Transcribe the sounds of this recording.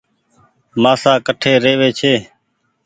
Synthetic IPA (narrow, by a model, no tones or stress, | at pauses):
maːsaːkəʈʰeːɾeːʋeːt͡ʃʰeː